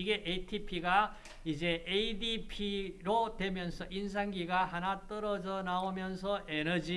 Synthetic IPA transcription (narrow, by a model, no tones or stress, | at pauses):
iɡe̞ʔetʰipʰiɡa | id͡ʑe̞eidipʰiɾodwe̞mjʌnsʰʌʔins̬ʰaŋɡiɡahanat͈ʌɾʌd͡ʑʌnaomjʌnsʰʌʔenʌd͡ʑi